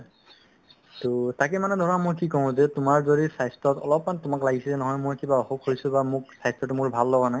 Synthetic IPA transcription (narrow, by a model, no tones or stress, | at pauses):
totakɛmanɛdʱɔɹamojkikɔʊ̃zɛtʊmaɹzodisajstɔtɔ̰lɔpmanɛtʊmaklaɡisizɛnɔɦɔjmojkibaɔxokhojsʊ̃bamʊksajstɔtumʊɹbʱalːɔɡanaj